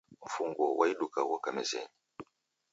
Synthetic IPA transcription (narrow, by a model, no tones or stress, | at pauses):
ɱ̩fuŋɡɔwʔa̰iɗukawɔkamɛzɛ̰n